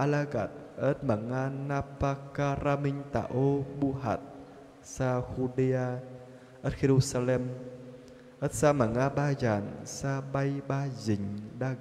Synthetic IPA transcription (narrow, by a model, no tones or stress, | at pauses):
ʔalaːɣa̰ːt̪̚ | ʔət̪̚maːŋaːnaːpaːkaɾaːmïŋt̪a̰ːʔoɓuɦa̰ːt̪̚ | saːxuɗiaː | ʔəːt̚ɣeɾusalɛm | ʔəːt̚saːmaːŋaːɓaːzaːnsaːɓajɓaːziŋɗaː